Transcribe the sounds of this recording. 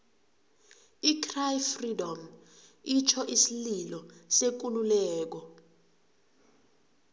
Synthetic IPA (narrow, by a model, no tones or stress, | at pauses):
ikʰrajfridɔm | it͡ʃʰɔʔisililɔsek̬ululɛːk̬ɔ